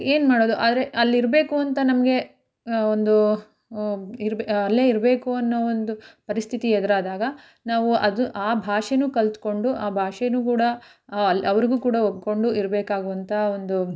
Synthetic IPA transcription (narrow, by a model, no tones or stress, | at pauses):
e̞ːnmaːɽoːd̪uʔa̰ːd̪ɐɾe̞ʔɐlːiɾbe̞ːkuɐnt̪ɐnɐmɐɡe̞ | ond̪u | iɾbɐlːeːiɾbe̞ːkuɐnːoond̪upɐɾist̪ʰit̪iɛd̪ɐɾaːd̪aːɡɐ | naːʋuɐd̪uʔaːbʱaːʂenuːkɐlt̪ko̞ɳɖuʔaːbʱaːʂenuːkuːɽɐ | ɐlɐʋɐɾiɡuːkuːɽɐob̚ko̞ɳɖuʔiɾbeːkaːɡuʋɐnt̪ʰɐo̞nd̪u